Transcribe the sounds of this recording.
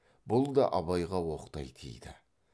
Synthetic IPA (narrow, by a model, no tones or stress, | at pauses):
bʊlˠd̪ɑʔɑβɑjʁɑwo̞qt̪ɑjt̪ʰḭjd̪ɪ